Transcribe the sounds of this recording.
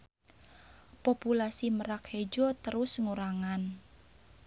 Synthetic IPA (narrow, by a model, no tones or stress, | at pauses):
populasiməɾakhed͡ʒɔt̪əɾʊsŋuɾaŋan